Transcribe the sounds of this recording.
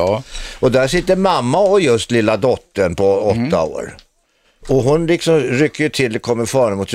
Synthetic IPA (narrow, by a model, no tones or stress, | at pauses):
ɔd̪æʂɪt̪ːəɾmamːaɔjɵst̪lɪlːad̪ɔt̪ːəɳpʰɔɔt̪ːa̰o̰ːɾ | ɔɦʊnlɪksɔmɾʏkːəjɵt̪ʰɪld̪ɛkʰɔmːəɾfɑːɳəmʊt̪s